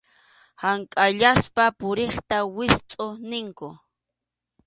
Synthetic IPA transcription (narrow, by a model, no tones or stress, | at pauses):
haŋkʼaʎaspapʊɾeχt̪awɪst̪ʼonɪŋkʊ